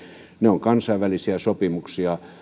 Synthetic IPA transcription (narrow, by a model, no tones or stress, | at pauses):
neoŋkɑnsɑiʋʋælisiæsopimuksiɑ